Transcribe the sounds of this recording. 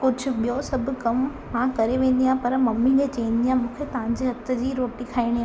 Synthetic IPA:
kʊd͡ʑʱʊ̆ɓijosɐbʱʊ̆kɐm | mãkɐɾeʋẽːn̆d̪ijãːɦpɐɾmɐmːĩd͡ʑet͡ɕɐĩn̆d̪ijãmũːkʰet̪ɐʋ̤ãɲ̆d͡ʑeɦɐt̪ʰə̆d͡ʑiːɾoːʈikʰaːiɽ̃ijaː

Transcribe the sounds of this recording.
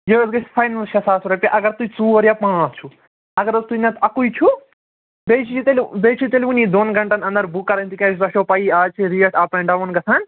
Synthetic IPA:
jeʋɐzɡɐsfʰɐjnɐlʃɐsaːsuɾɐpʲaʔɐɡɐɾt̪ut͡suːɐɾjapãːt͡ʃʰu | ɐɡɐɾɐst̪ujnɐt̪ʰɐkujt͡ʃʰu | bet͡ʃʰiit̪elbeːt͡ʃʰit̪elʲʋuniːd̪onɡɐɳʈɐnɐnd̪ɐɾbukːɐɾɐnt̪ikʲãːt͡ʃʰsɐʃoːpɐjiaːt͡ʃʰiɾiɐʈaːpeɳɖaʋɐnɡɐt̪ʰaːn

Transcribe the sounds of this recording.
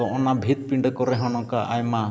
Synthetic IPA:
ɔʔɔnabʱit̪̚piɳɖkɔɾɛɦɔnɔkaʔajma

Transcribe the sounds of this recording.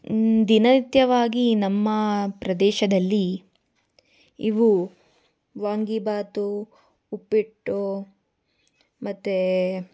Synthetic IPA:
d̪inɐt̪jɐʋaːɡinɐmːɐpɾɐd̪ɛːʃɐd̪ɐlːi | iʋu | ʋaːŋɡibaːt̪uː | pːiʈːu | mɐt̪ːe

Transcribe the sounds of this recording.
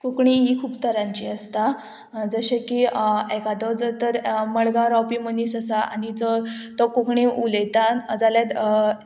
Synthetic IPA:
kukɳiɦikʰuːpt̪əɾãɲt͡ɕiːəst̪a | d͡zəɕekiɛkad̪ɔd͡zt̪əɾməɭɡãɾɔpiməniːsəsaa̰nid͡zɔt̪ɔkukɳẽʔuləjt̪ad͡zaljat̪

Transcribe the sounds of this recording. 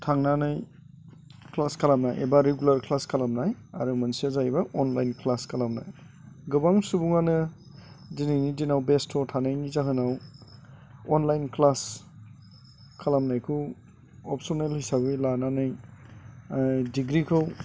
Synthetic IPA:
tʰaŋnanaj | klaskʰalamna̰jḛbaɾeɡulaɾklaskʰalamnaja̰ɾumansiazajbaɔnlajnklaskʰalamna̰j | ɡɯbaŋsubuŋanɯ | dinijnidinawbestʰɔtʰanajnizakʰɯnaw | ɔnlajnklas | kʰalamnajkʰu | ɔp̚sonelhisabilananaj | diɡɾikʰɯw

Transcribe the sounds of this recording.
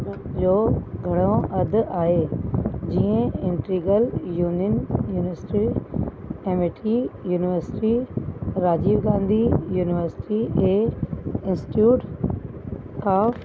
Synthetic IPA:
d͡ʑoːɡʱɐɽ̃õʔɐd̪ʱʔaːɦeːd͡ʑiːə̃ɪ̃ɳʈɾiːɡəljuːnjənjuːnɪʋəɾsɪ̥ʈi | ẽːmʋeʈʰijuːnɪʋəɾsɪ̥ʈiɾaːd͡ʑiːʋɡãːnd̪ʱijuːnɪʋəɾsɪ̥ʈiɦeːɪ̃nsɪ̥ʈjuːʈ | kaːf

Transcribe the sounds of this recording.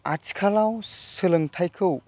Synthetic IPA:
at͡ʃkʰalawsɯlɯŋtʰajkʰɯw

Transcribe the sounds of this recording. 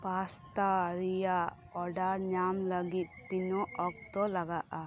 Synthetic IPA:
paːst̪aɾija | ɔɖaɾnaːmlɐɡit̪ːinuɔk̚t̪olɐɡaʔa

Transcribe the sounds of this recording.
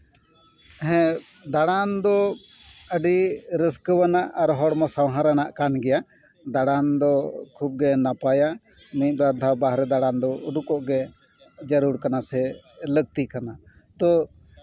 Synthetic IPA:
ɦɛ̃ | d̪aɽand̪ɔ | əɖiɾəskəwanaʔaɾɦɔɽmasawɦaɾanaʔkanɡɛja | d̪aɽand̪ɔkʰub̚ɡɛnapaja | mit̪̚ˀbaɾd̪ʱabaɦɾɛd̪aɽand̪ɔʔuɖukɔʔɡɛ | d͡ʒəɾuɾkanasɛ | ləɡ̚t̪ikana | t̪ɔ

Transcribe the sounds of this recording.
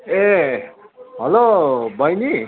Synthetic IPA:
e | ɦʌlobʱʌjni

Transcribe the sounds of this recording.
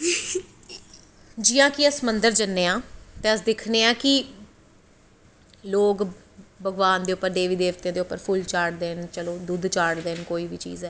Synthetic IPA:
d͡ʒɪjãːkɪəsəmənd̪əɾd͡ʒənːeːãːt̪eːəsd̪ɪkʰneːãːkɪ | loːk | bəɡʋaːnd̪eːʊpːəɾd̪eːʋiːd̪eːʋt̪eãːd̪eːʊpːəɾpʰʊlt͡ʃaːʈd̪eːnt͡ʃəloːd̪ʊd̪t͡ʃaːɽd̪eːnkoːiːʋiːt͡ʃḭːzɛː

